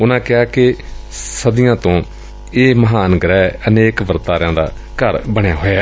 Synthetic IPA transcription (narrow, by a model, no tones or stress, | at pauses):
ʊnãːkɪaːkɪ | səd̪ɪjãːt̪õː | eːməɦaːnəɡɾɛːəneːkʋəɾt̪aːɾjãːd̪a̰ː | kəɾbəɳ̃jaːɦoːaː